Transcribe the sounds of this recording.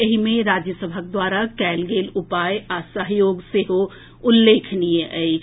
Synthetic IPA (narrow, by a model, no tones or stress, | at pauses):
ɐɦimẽɾaːd͡ʒjəsəbʱək̚d̪waːɾakɛːlɡeːlʊpaːjasəɦjoːɡseɦo | ʊlːeːkʰniẽʔəi